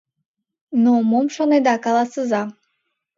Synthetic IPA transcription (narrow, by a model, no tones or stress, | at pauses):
nomomʃonɛd̪akalˠasɨza